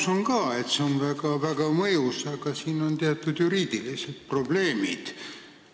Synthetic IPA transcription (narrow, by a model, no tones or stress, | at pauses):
so̞ŋkɑːe̞t̪seonvæɡɑvæɡ̥ɑmɤjusɑɡ̥ɑsiːno̞nt̪eɑt̪ːˑud̪̥juɾiːd̪̥ilise̞d̪̥̚pro̞b̥le̞ːmid̪̥